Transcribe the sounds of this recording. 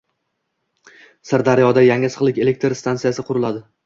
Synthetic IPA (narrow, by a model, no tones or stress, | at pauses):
saɾd̪aɾjɒd̪ajaŋɪsɨ̥qlˠɪkʲe̞le̞k̚ʲt̪ɾst̪ant̪ijasɪqʰʊɾɪlˠad̪ɪ